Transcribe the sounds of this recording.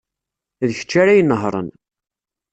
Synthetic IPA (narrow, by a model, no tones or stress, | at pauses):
ðəçə̥t͡ʃːaɾæjənːəɦɾˤə̰n